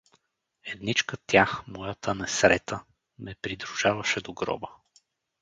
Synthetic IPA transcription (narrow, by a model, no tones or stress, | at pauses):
ɛd̪nit͡ʃkət̪jaxmɔjət̪ənɛsɾɛt̪ʰə | mɛpɾid̪ɾuʒ̥avɐʃɛd̪oɡɾɔ̰bə